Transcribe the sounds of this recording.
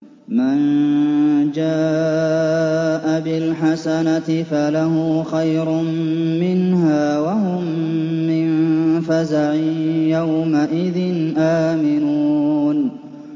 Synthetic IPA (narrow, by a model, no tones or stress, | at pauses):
man | d͡ʒaː | ʔabɪlħasanat̪ɪfalahʊxajɾʊmːɪnhaːwaɦʊmːɪnfazaʕɪjawmaʔɪðɪnʔaːmɪnuːn